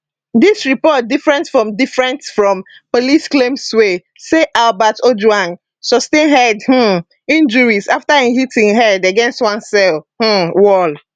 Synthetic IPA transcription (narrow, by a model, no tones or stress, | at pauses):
disɹipɔt̚difɹɛ̃ntsfɹɔ̃mdifɹɛ̃ntsfɹɔ̃m | polisklẽmswe | seʔalbatod͡ʒwãn | sɔstẽnɦɛdh̩ | ĩnd͡ʒuɹizaftaĩhitĩŋɦɛdaɡɛ̃nstwãnsɛlh̩wɔl